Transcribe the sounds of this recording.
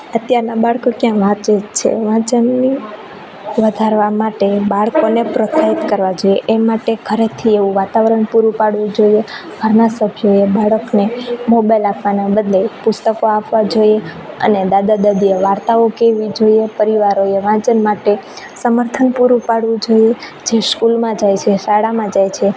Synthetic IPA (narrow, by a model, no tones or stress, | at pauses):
ət̪jaɾnabaɭkokjãʋãt̪t͡ʃet͡ʃʰḛʋãt͡ʃənːi | ʋəd̪ʱaɾʋamaʈebaɭkonepɾət̪ʰait̪kəɾʋad͡ʒojeʔemaʈekʰəɾet̪ʰieʋũʋat̪aʋəɾəɳpuɾũpaɽʋũd͡ʒoiebʱəɾnasəbʱjoebaɭəknemobajlapʰʋanabəd̪lepʊst̪əkoapʋad͡ʒoje | ə̰ned̪ad̪ad̪ad̪ieʋaɾt̪aokeʋid͡ʒoiepəɾiʋaɾoeʋãt͡ʃənmaʈe | səməɾt̪ʰənpuɾũpaɽʋũd͡ʒoied͡ʒeskulmãd͡ʒajt͡ʃʰeʃaɽamãd͡ʒajt͡ʃʰe